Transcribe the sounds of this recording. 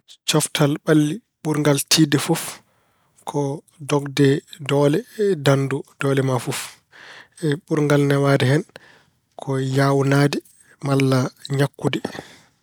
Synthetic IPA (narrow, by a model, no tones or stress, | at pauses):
t͡ʃɔftʰalɓalːi | ɓuɾŋɡaltʰiːdɛfuf | kʰɔ | dɔɡdɛdɔːlɛdandud̥ɔːlɛmafuf | ɛɓuɾŋɡalnɛwadɛɦɛn | kʰɔjawnaːdɛ | malːaɲakːudɛ